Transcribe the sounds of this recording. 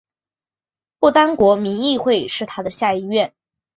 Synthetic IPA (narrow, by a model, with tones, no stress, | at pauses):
pu˥˩t̪a˥nkwɔ˧˥mi˧˥ŋi˥˧xwe˥˩ɪʂɻ̩˥˩t̪ʰa˥d̪ə˨ɕja˥˧i˥˧ɥɛ˥˩n